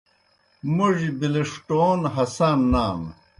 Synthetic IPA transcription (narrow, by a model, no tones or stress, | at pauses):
muʐibileʂʈoːnɦɐsaːnːaːm